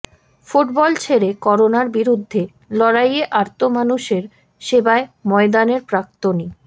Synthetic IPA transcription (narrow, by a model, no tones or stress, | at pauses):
fuʈbɔlt͡ɕʰeɾekɔɾonaɾbiɾud̪ʱːe | lɔɾajeʔaɾt̪omanuʃeɾ | ʃebaemɔed̪aneɾpɾak̚t̪oni